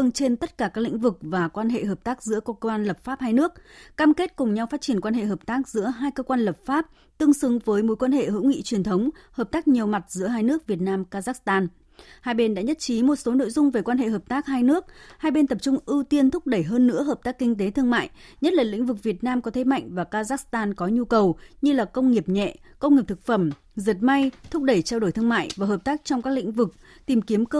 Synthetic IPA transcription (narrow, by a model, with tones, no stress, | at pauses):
ɨ˧əŋt͡ɕe˧nt̪ə˦˥t̚kaː˧˩kaː˦˥k̚lḭ̈˧˥ŋ̟vɨ˨˩k̚vaː˨˩kwaː˧nɦḛ˧˨ɦəː˨˩p̚t̪aː˦˥k̚zɨ̰˧˥əkkə˧waː˧nlə˨˩p̚faː˦˥p̚haː˧jnɨ˦˥ək̚kaː˧mke˦˥t̚kʊ˨˩ŋ͡mɲa˧wfaː˦˥t͡ɕi˧˩ənkwaː˧nhḛ˧˨ɦəː˨˩p̚t̪aː˦˥k̚zɨ̰˧˥əɦaː˧jkəː˧kwaː˧nlə˨˩p̚faː˦˥p̚ | t̪ɨ˧əŋsɨ˨˦ŋvəː˨˦jmo˨˦jkwaː˧nhḛ˧˨ɦɨ̰˧˥wŋḭ˧˨t͡ɕwi˨˩ənt̪ʰə˨˦wŋ͡mhəː˨˩p̚t̪aː˦˥k̚ɲi˨˩əwma˨˩t̚zɨ̰˧˥əɦaː˧jnɨ˦˥ək̚vi˨˩ət̚naː˧mkaː˧zaː˦˥kst̪aː˧n | haː˧jɓe˧nɗa̰ː˧˥ɲə˦˥t̚t͡ɕi˨˦mo˨˩t̚so˨˦no̰˧˨jzʊ˧ŋ͡mve˨˩kwaː˧nɦḛ˧˨ɦəː˨˩p̚t̪aː˦˥k̚haː˧jnɨ˦˥ək̚haː˧jɓe˧nt̪ə˨˩p̚t͡ɕʊ˧ŋ͡mʔɨ˧t̪i˧ənt̪ʰʊ˦˥k͡p̚ɗə˧˩jɦəː˧nːɨ̰˧˥əɦəː˨˩p̚t̪aː˦˥kːï˧ŋ̟t̪e˨˦t̪ʰɨ˧əŋma̰ː˧˨jɲə˦˥t̚laː˨˩lḭ˧˥ŋ̟vɨ˨˩k̚vi˨˩ət̚naː˧mkɔ˨˦t̪ʰe˨˦ma̰˧˨jŋ̟vaː˨˩kaː˧zaː˦˥kst̪aː˧nkɔ˨˦ɲu˧kə˨˩wɲɨ˧laː˨˩kə˧wŋ͡mŋi˨˩əp̚ɲɛ̰˧˨ | kə˧wŋ͡mŋi˨˩p̚t̪ʰɨ˨˩k̚fə˧˩m | zə˨˩t̚ma˧jt̪ʰʊ˦˥k͡p̚ɗə˧˩jt͡ɕaː˧wɗo˧˩jt̪ɨ˧əŋma̰ː˧˨jvaː˨˩ɦəː˨˩p̚t̪aː˦˥k̚t͡ɕɔ˧wŋ͡mkaː˦˥k̚lḭ̈˧˥ŋ̟vɨ˨˩k̚ | t̪i˨˩mki˨˦əmk